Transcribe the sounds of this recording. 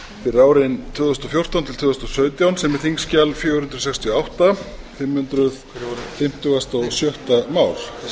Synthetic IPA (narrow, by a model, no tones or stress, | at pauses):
fɪraːwɾɪnt̪ʰvʏːðɔst̪ɔfjowr̥t̪ant̪ʰɪlʰvʏːðʏst̪ɔsœːɥt̪jawnsɛmɛθiŋscalfjɛːhʏnt̪ɾʏsɛkst̪ʰjiɔawht̪a | fɪmːhʏnt̪ɾʏð | fɪm̥t̪ʏɣast̪ɔɣsjœht̪amaːwl